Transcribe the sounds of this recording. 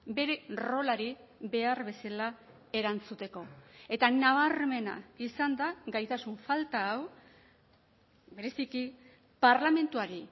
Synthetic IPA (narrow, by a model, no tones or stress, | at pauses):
be̞ɾe̞ro̞laɾi | βe̞aɾβe̞sala | e̞ɾant͡sut̪e̞ko̞e̞t̪anaβaɾme̞na̰isand̪aɡajt̪asuɱfalt̪aːw | be̞ɾe̞siki | paɾlame̞nt̪uaɾi